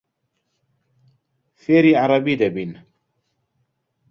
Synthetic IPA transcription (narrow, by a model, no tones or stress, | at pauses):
feɾiaɾˤɑbid̪ɛbin